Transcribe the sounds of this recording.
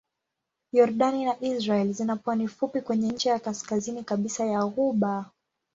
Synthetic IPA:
jɔɾɗaninaʔizɾaɛlizinapwanifupikwɛɲɛnɲ̩t͡ʃijakaskazinikaɓisajaɣuɓa

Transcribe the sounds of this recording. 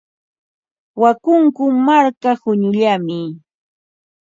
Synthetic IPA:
wakʊŋkʊmaɾkahʊɲʊʎamɪ

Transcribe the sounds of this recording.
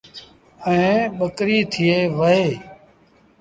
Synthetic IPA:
əẽːɓəkɾiːt̪ʰɪeːʋəɦeː

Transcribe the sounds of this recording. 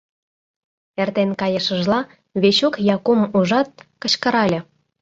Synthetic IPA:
ert̪enkɑjə̆ʃə̆ʒlɑ | βeɕokjɑkomuʒɑt̪̚kə̆t͡ɕkə̆ɾɑlʲɤ̆

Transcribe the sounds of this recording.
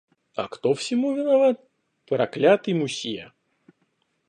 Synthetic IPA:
ɐ̰kt̪ofsʲɪmuvʲɪnavat̪̚ | pɾɐklʲat̪ɨmʊsʲijɐ̰

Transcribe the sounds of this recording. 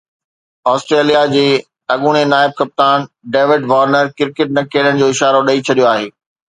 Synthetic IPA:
ɔːsʈɾeːlijad͡ʑeː | ɐɠuːɽ̃enaːɪb̚kɐp̚t̪aːnɖeːʋɪɖʋaːɾnəɾkɪɾkɪʈ̚nɐkʰeːlənɪ̆d͡ʑoːɪʃaːɾoɗɐit͡ɕʰɐɗijoaːɦeː

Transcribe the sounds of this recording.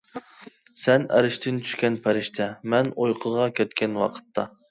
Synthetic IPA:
sɛnæ̰ɾɪʃt̪ʰɪnt͡ʃʰy̥ʃkʲɛnpʰæɾɪʃt̪ʰɛmɛnojqʰəʁɑkʲɛt̪kʲɛnwɑ̰qʰə̥t̪ʰːɑ

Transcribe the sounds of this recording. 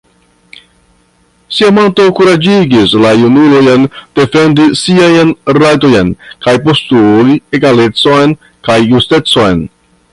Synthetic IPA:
siamonto̞kuɾad͡ʒiɡislajunulojnd̥e̞fe̞ndisiajnɾajto̞jnkajpo̞stulie̞ɡale̞t͡so̞jn | kajːuste̞t͡so̞jn

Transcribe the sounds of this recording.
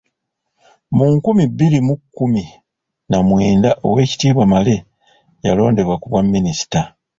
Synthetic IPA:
muŋkumibːilimukːumi | namweːndaʔo̞̰we̞ːci̥tiːβwamale̞ | jalo̞ːnde̞βwakuβwamːinisi̥ta

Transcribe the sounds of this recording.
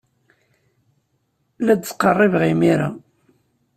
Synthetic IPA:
læd̪t͡sːqərˤːɪvʁimiɾa̰

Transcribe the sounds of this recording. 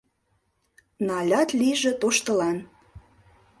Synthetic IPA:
nɑlʲɑt̪lʲiʒĕt̪oʃt̪ɤ̆lɑn

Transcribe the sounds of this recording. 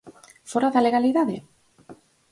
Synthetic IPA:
foɾaðale̞ɣaliðaðḛ

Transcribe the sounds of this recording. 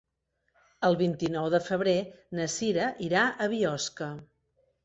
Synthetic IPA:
əlˠβint̪inɔwðəfəβ̞ɾenəsiɾəʔiɾaʔəβiɔskə

